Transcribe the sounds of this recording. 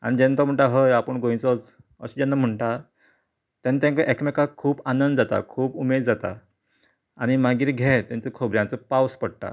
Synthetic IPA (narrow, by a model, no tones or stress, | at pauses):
a̰nid͡ʑɛ̃nt̪ɔm̤əɳʈ̪aɦəjapəɳɡõj̃t͡sɔt͡s | ə̰ɕid͡ʑɛ̃nːam̤əɳʈa | t̪jãnːat̪jãŋkəʔekmekakʰuːpanənd̪d͡zat̪a̰kʰuːpumed̪d͡zat̪a̰ | aɽ̃imaɡiːɾɡʱɛt̪ãnt͡sekʰobɾjãnt͡səpawspəɽʈ̪a̰